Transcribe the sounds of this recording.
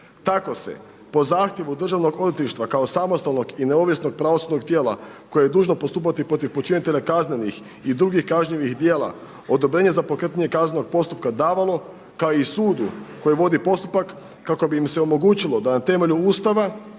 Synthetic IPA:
t̪ako̞se̞̰ | po̞zaːxt̪je̞ʋud̪r̩ʒaʋno̞ɡod̪it̪liʃt̪ʋakao̞samo̞st̪alˠno̞ɡineo̞ʋjesno̞ɡ̚pɾaʋosud̪no̞ɡt̪jeːlˠa̰ko̞jejed̪uːʒno̞po̞st̪uːpat̪ipɾo̞t̪̬ifpo̞t͡ʃinit̪e̞ʎakazne̞nix | id̪ɾuːɡixkaʒɲiʋixd̪jeːlˠa̰ | o̞d̪o̞bɾeːɲe̞zapo̞kɾət̪ɲaɲe̞kazneno̞ɡ̚po̞st̪up̚kad̪aːʋalo̞ | kaoisuːd̪ṵko̞jiʋo̞d̪ipo̞st̪upakː | ako̞biːmseo̞mo̞ɡuːt͡ɕilˠo̞d̪anat̪e̞me̞ʎuuːst̪aʋa

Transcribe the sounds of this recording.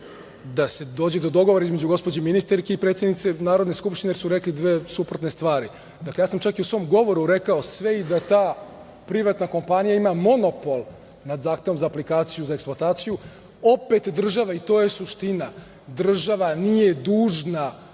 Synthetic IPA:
d̪ase̞d̪o̞ːd͡ʑed̪o̞d̪o̞ɡoʋoɾaizme̞d͡ʑuɡo̞spo̞d͡ʑeminist̪aɾkeipɾet̪sjed̪nit̪e̞naːɾod̪neskupʃt̪inejeɾsuɾe̞klid̪ʋeːsupɾot̪nest̪ʋaːɾi | d̪aklejaːsamt͡ʃakiusʋo̞mɡo̞ʋo̞ɾuɾekaosʋe̞id̪at̪aː | pɾiʋat̪nako̞mpanijaimamo̞no̞po̞lˠ | nad̪zaːxt̪eʋo̞mzaːplikaːt̪sijuzaeksploat̪aːt̪siju | o̞pet̪d̪r̩ʒaʋait̪oːje̞suʃt̪ina | d̪r̩ʒaʋanije̞d̪uːʒna

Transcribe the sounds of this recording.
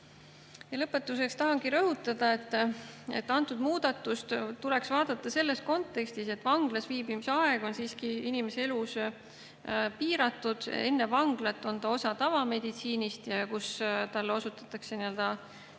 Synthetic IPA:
jɑlɤpːˑe̞t̪ːˑus̬e̞kst̪ɑɦɑŋɡiɾɤɦut̪ːˑɑd̪̥ɑe̞t̪ːˑe̞t̪ːɑnt̪ˑud̪muːd̪ɑt̪ːˑust̪t̪ule̞ksvɑːd̪̥ɑt̪ˑːɑse̞lːe̞sko̞nt̪ːˑe̞kst̪ise̞t̪ːˑvɑŋɡ̥lɑsviːbimiseɑe̞ɡ̥o̞nsiːskiinime̞see̞lus | piːɾɑt̪ːˑud̪̥e̞̰nːe̞vɑŋɡlɑt̪ːˑo̞nt̪ɑo̞sɑt̪ɑvɑme̞d̪̥it̪siːnist̪jɑkust̪ɑlːosut̪ːˑɑ̥t̪ːˑɑkse̞niø̞ld̪̥ɑ

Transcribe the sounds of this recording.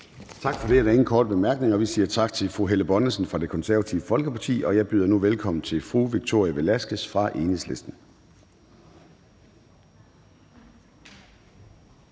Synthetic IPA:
t͡sʰɑ̈ɡ̥fɒ̽ɾ̥e̝æɐɾɑe̝ŋn̩kʰɒːd̥əb̥e̝mæɐɡ̥ne̝ŋɒ̽ʋisiːɐt͡sʰɑ̈ɡ̥̚t͡sʰe̝lfʁuɦeləb̥ɒ̽nəsn̩fʁɑ̈d̥e̝kʰɒ̽nsæɐæt͡sʰiʊəfɒ̽lɡ̥əpʰɑ̈t͡sʰḭːɒ̽jɑ̈ɪb̥yːðˠɐnuʋelkʰɒ̽m̰n̩t͡sʰe̝lfʁuʋiɡ̥̚t͡sʰo̝ɐ̰iæʋelæsɡ̥əsfʁɑ̈ʔe̝ːnesle̝sd̥n̩

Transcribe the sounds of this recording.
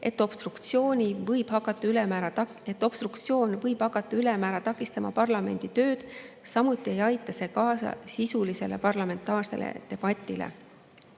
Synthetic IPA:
ʔe̞t̪ːˑo̞b̥st̪rukt̪sio̞ːnʲivɤjb̥hɑkːˑɑt̪ːˑɑylemæɾɑ | et̪ːˑo̞b̥st̪rɾukt̪sjo̞ːnvɤjb̥hɑkːˑɑt̪ːˑɑylemæːɾɑt̪ɑkːˑist̪ɑmɑ̰pɑrlɑme̞̰nʲd̪̥it̪ø̞ːd̪̥ | sɑmut̪ːˑie̞jɑjt̪ːˑɑse̞ːkɑːsɑ̰sisulise̞le̞̰pɑrlɑme̞nt̪ːˑɑːrse̞̰lḛt̪e̞b̥ɑt̪ʲːˑilḛ

